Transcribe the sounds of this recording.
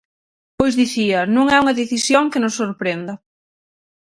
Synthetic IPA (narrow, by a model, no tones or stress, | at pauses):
pojzðiθiɐnũŋɛuŋɐðeθisjoŋkɪnosːoɾpɾend̪ɐ